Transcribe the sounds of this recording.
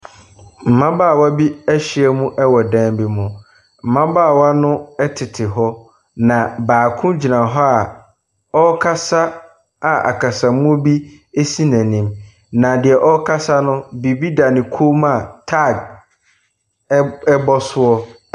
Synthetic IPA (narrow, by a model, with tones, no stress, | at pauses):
m̩˨mã˦baː˦˨wa˦bi˦æ˦ɕɪ˦ɛ˦mũ˦ʔɛ˦wɔ˨dã˦mbi˦mʊ̃˦ | m̩˨mã˦baː˦˨wa˦nʊ̃˦ɛ˦tʰɪ˨tʰɪ˨ɦɔ˦ | nã˨baː˨kʰʊ̃˦d͡ʑi˨nã˨ɦɔ˦a˨ | ɔ˦kʰa˦sa˦ | a˨ʔa̰˨kʰa˨sã˨mʊ̃˦bi˦ | e˦si˦næ̃˨nĩ˦m | nã˨dɪ˨ɛ˨ʔɔ˦kʰa˦sa˦nʊ̃˦bi˨bi˦da˨nɪ̃˨kʰo˦ma˨tʰa˦˨ɡ̚ | ɛ˦bɔ˦sʊ˦ɔ˦